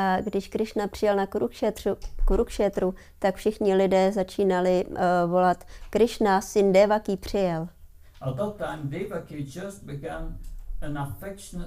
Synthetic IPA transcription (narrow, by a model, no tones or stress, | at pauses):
ʔaɡdɪʃkɾɪʃnapr̥ɪjɛlnakɾukʃɛt̪rukuɾukʃɛt̪ɾu | t̪akfʃɪxɲɪlɪdɛːzat͡ʃiːnalɪvolat̪kɾɪʃnasɪndɛvakiːpr̝̥ɪjɛl | əðətːãɪ̃mdevakid͡ʒʌs̚b̥ɪɡãnə̃nafɛkʃn